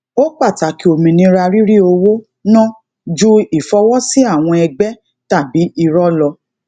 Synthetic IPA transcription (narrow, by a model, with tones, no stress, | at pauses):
o˦k͡pa˦˨ta˨˦ki˨˦o˧˨mĩ˧nĩ˧˦ɾa˧ɾi˦ɾi˦o˧wo˦ | nã˦ | d͡ʒu˦i˨fɔ˧wɔ˦si˦a˦˨w̃ɔ̃˧ɛ˧ɡ͡bɛ˦ | ta˦˨bi˨˦i˧ɾɔ˦lɔ˧